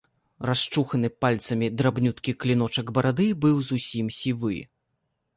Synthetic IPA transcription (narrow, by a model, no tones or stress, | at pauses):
rast͡ʂuxɐnɨpalʲt̪sɐmʲid̪ɾabnʲut̪kʲiklʲin̪ɔt͡ʂɐɡbɐɾʔad̪ɨbɨwzusʲimsʲivɨ̰